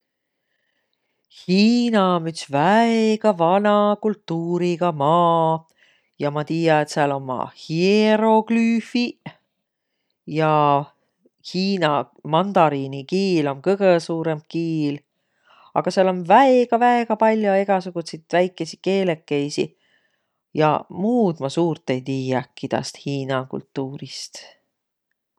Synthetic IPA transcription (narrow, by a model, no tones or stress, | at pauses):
hiːnɑomyt̪svæeɡ̥ɑvɑnɑkult̪ːuːɾiɡ̥ɑmɑː | jɑmɑt̪iːjɑet̪seɑlomːɑ̰hieɾo̞klyːfi | jɑ | hiːnɑ | mɑnd̪̥ɑɾinikiːlo̞mkɤɡ̥esuːɾemkiːl | ɑ̰ɡ̥ɑseɑlo̞nvæeɡ̥ɑvæeɡ̥ɑpɑlʲjoe̞ɡ̥ɑsuɡ̥usit̪væjkˑːesike̞ːlekːejsḭ | jɑ̰muːd̪mɑsuːrt̪ːˑe̞jt̪iːjɑkːid̪̥ɑ̰st̪hiːnɑkṵlt̪ːˑuːɾist̪